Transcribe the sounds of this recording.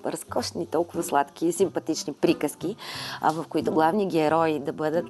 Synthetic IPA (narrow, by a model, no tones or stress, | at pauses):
ɾɐskɔʃt̪ɛnit̪ɔlˠkʊvɐslˠat̪k̟ʲisimpɐt̪it͡ʃnipɾikəsk̟iɐ̰vɐfkoit̪ʊɡlˠavniɡɛɾɔid̪ɐbɤd̪ət̪